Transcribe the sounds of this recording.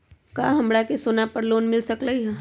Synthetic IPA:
kaːɦɐ̃mbɽakesoːnapɐɾloːnmɪlsɐkləiɦ

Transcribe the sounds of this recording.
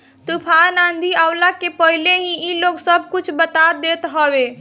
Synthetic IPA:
t̪upʰanand̪ʱiawlakepəɦileɦĩiloɡsəbʱkut͡ʃʰbət̪ad̪et̪ɦəbe

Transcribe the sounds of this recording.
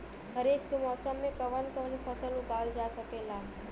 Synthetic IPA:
həɾeːkk̪umɔːsəmːẽkəʋənkəɦlepʰəsəlukaːld͡ʒaːsəkelaː

